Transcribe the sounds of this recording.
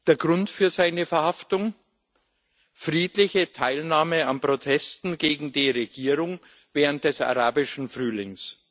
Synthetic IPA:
d̥eːɐɡʁʊntfyːɐzaɪnəfɛɐhaftʊŋ | fʁiːtlɪçətʰaɪlnaːməanpʁ̥otʰɛstn̩ɡeːɡŋ̩diːʁeɡ̥iːʁʊŋ | vɛːʁənt̚d̥ɛsa̰ʁaːbɪʃn̩fʁ̥yːlɪŋs

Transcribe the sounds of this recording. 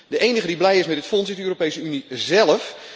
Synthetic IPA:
dəʔejnəɣədiblɛjɪsmɛdɪtfɔnsitdəøːropejsəynizɛlˠəf

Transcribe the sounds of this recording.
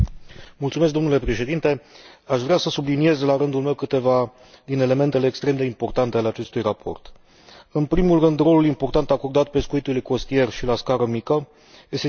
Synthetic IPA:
mult̪sumesk̚d̪o̞mnule̞pɾe̞ʃe̞d̪int̪e̞aʃvɾeasəsublinije̞zlaɾɨnd̪ulme̞wkɨt̪e̞va | d̪ine̞le̞me̞nt̪e̞le̞ːkst̪ɾe̞md̪e̞impo̞rt̪ant̪e̞aleat͡ʃe̞st̪ujrapʰo̞̰rt̪ | ɨnpɾimulrɨnd̪ɾo̞lulimpo̞rt̪ant̪ako̞rd̪at̪̚pe̞skuit̪ulujko̞st̪ije̞rʃilaskaɾəmikə | je̞st̪e

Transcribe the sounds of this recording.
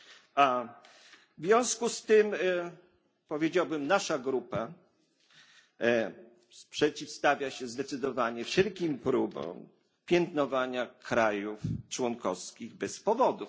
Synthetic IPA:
a | vvʲjɔ̃w̃skust̪ɘm | pɔvʲjed͡ʑawbɘmnaʂaɡɾupa | spʂɛt͡ɕifst̪avʲjaɕɛzd̪ɛt̪sɘd̪ɔvaɲɛfʂɛlkʲimpɾubɔ̰̃w̃ | pʲjɛnt̪nɔvaɲakʰɾajuft͡ʂwɔnkɔfskʲiɣbɛspɔvɔd̪u

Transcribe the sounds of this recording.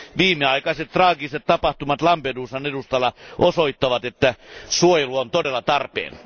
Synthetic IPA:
ʋiːmːeɑikɑiset̪ːrɑːɡiset̪t̪ɑpɑht̪umɑt̪lɑmpeduːsɑnedust̪ɑlːɑʔosoit̪ːɑʋɑt̪et̪ːæsuojeluont̪odelːɑt̪ɑrpḛːn

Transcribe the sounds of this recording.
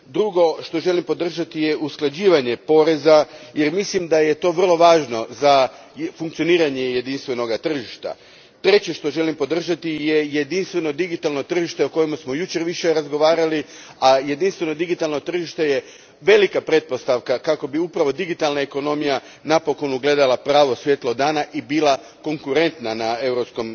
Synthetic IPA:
d̪ɾuɡo̞ʃt̪o̞ʒe̞limpo̞d̪r̩ʒat̪ije̞ʔusklˠad͡ʑiːʋaɲe̞po̞ɾe̞zajeɾmislimd̪aje̞t̪o̞ːʋər̩lˠo̞ʋaːʒno̞za | fuŋkt̪sio̞niːɾaɲe̞je̞d̪inst̪ʋe̞no̞ɡat̪r̩ʒiʃt̪a̰ | t̪ɾe̞t͡ɕeʃt̪o̞ʒe̞limpo̞d̪r̩ʒat̪ije̞je̞d̪inst̪ʋe̞no̞d̪iɡit̪alˠno̞t̪r̩ʒiʃt̪e̞oko̞jemasmo̞jut͡ɕeɾʋiʃeɾazɡo̞ʋaːɾali | aje̞d̪inst̪ʋe̞no̞d̪iɡit̪alˠno̞t̪r̩ʒiʃt̪e̞je | ʋe̞likapɾe̞t̪̚po̞st̪aʋkakako̞biupɾaʋo̞d̪iɡit̪alˠnaeko̞no̞mija | napo̞ko̞nuɡle̞d̪alˠapɾaːʋo̞sʋje̞ːt̪lˠo̞d̪aːnaʔibilˠa | ko̞ŋkuɾe̞nt̪nanae̞wɾo̞psko̞m

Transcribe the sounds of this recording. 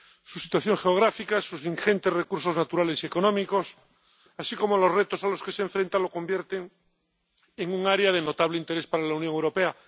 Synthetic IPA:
susit̪waθjoŋxeoɣɾafikasusiŋxent̪e̞srekuɾso̞znat̪uɾale̞sieko̞nõmiko̞s | asiko̞molo̞zret̪osalo̞ske̞seɱfɾent̪alo̞ko̞mbjeɾt̪eŋ | eŋuŋaɾeað̞eno̞t̪aβ̞leint̪e̞ɾespaɾalaunjõŋewɾo̞pea

